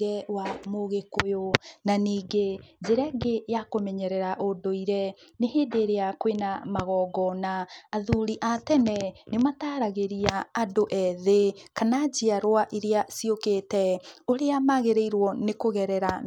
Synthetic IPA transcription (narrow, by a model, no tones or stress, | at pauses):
ɾɛwamoɣekojonaniːɡed͡ʒeɾɛɡejakomɛɲɛɾɛɾaʔodoiɾɛneheːdeːɾeakwenamaɣɔːɡɔnaːðuɾiʔatɛnɛnemataːɾaɣeɾiaːdoʔɛðekanad͡ʑiaɾwaʔiɾeasiokeːtɛoɾeamaɣeɾeiɾwɔnekoɣɛɾɛɾa